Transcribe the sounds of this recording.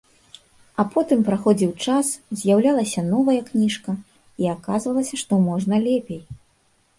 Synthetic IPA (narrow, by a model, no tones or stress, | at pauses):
ɐpʰɔt̪ɨmpɾaxɔd͡zʲiwt͡ʂaszʲjawlʲalˠɐsʲɐnɔvɐjɐknʲiʂkɐ | iakazvɐlˠɐsʲɐʂt̪ɔmɔʐnɐlʲɛpʲej